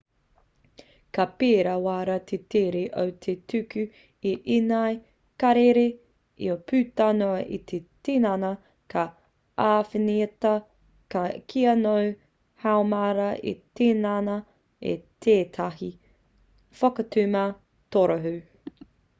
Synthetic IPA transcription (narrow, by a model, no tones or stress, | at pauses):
kɐpeːɾɐwaːɾɐt̪ʰeteɾeʔowt̪ʰetʰʉkʉ | iʔinaj | kɐɾeɾe | ḭopʰʉːtɐnoɐʔḭt̪ʰetenanɐ | kʰɐ | aːfiniɐtɐ | kɐkʰiɐnoɥ | hawmaɾɐʔḭt̪enanɐ | ḛt̪ʰeːt̪ʰɐɦi | fɐkɐtʉmɐ | toɾoɦʉ